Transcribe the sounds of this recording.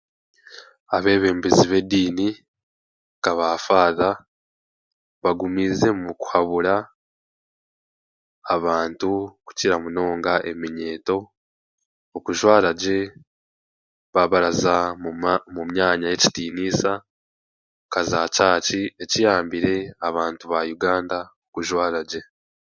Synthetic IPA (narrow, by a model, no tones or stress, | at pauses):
aβe̞ːβe̞ːmbiziβe̞diːni | kaβaːfaːða | βaɡumiːze̞muku̥haβuɾa | βaːntuku̥ciɾamuno̞ːŋɡaʔe̞miɲe̞ːto̞ | okuʒwaːɾaɟe̞ | βaβaɾaza | mumɲaːɲaje̞ci̥tiːniːsa | kazaːcaːcie̞cijaːmbiɾe̞aβaːntuβajuɡaːndaokuʒwaːɾaɟe̞